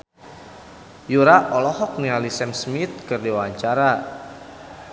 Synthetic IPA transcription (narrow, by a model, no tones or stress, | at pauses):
juɾaʔɔlɔhɔk̚nialisɛmsmit̪̚kɨrdiwaɲt͡ʃaɾa